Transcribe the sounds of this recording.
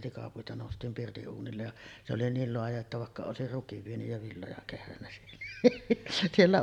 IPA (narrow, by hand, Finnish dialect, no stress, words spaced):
tikɑpuitɑ noˑustˑiːm pirtiʔ ʔuːnilːej jɑ se oli niːl loɑjɑ etːæ ʋɑˑekːɑ oˑesir rukiʋ ʋienyj jɑ ʋilːojɑ kehrænːæ sielːæ sielːæ